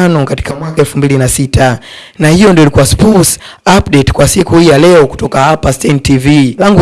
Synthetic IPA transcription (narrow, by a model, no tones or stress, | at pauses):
nɔkati̥kamwakaɛlfumbilinasitʰa | nahijɔndiɔilikuaspɔs | apɗɛtkwasikuhijalɛɔku̥tɔkahapastɛntivilaŋɡu